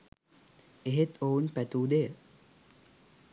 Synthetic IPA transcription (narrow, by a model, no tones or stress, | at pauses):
eɦet̪ounpæt̪uːd̪ejə